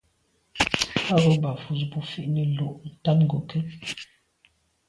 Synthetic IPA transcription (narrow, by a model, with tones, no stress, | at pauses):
a˦ɣə˦ba˨fu˨sbu˦fi˦ʔni˨lo˨ʔn̩˨ta˦nŋɡo˨kə˦